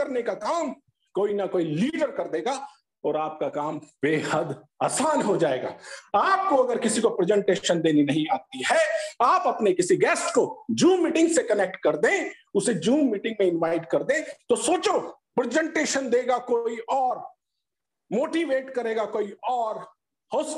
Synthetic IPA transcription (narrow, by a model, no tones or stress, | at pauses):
ɐɾnekakaːm | koːinɐkoːiliːɖəɾkɐɾd̪eːɡa | ɔːɾaːp̚kakaːmbeːhəd̪ | a̰ːsaːnɦod͡ʒaːḛːɡa̰ːaːp̚koɐɡəɾkɪsikopɾɛd͡ʒɛ̃ɳʈeːʃənd̪eːninɐɦĩaːt̪iɦɛaːpɐpnekɪsiɡɛːsʈkod͡ʒũːmːiːʈɪ̃ŋɡsekɐnek̚ʈkɐɾd̪ẽːʊsed͡ʒũːmːiːʈɪ̃ŋɡmẽɪ̃nʋaːɪʈkɐɾd̪ẽːt̪osoːt͡ʃo | pɾɪd͡ʒɛ̃ɳʈeːʃənd̪eːɡakoiʔɔːɾ | moːʈiʋeːʈkɐɾeːɡakoːiɔːɾ | hoːs